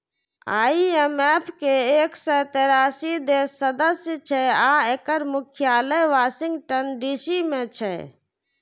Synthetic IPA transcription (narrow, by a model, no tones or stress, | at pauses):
a̰ːiemeːpʰkeeːksət̪eːɾaːsid̪eːsːəd̪əsjət͡ʃʰɛaːeːkəɾmʊkʰjaːləjʋaːsɪ̃ŋɡʈənɖiːsimẽt͡ʃʰɛ